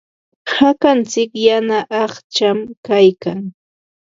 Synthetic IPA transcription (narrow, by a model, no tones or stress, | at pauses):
hakant͡sɪkjanaʔɑχt͡ʃamkajkaŋ